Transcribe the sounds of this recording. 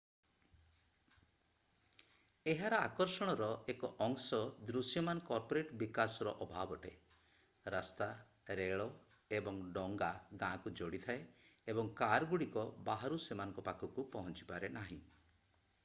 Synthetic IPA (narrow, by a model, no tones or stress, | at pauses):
eɦaɾɔakɔɾsɔɽ̃ɔɾɔekɔʔɔŋsɔd̪ɾusjɔmanɔkɔɾpɔɾeʈbikasɔɾɔʔɔbʱabɔʈe | ɾast̪a | ɾeɭɔ | ebɔŋɖɔŋɡaɡãkud͡ʒoɽit̪ʰae | ebɔŋkaɾɡuɽikɔbaɦaɾusemanɔ̃ŋkɔpakʰɔkupɔɦɔnt͡ʃi̥paɾenaɦḭ̃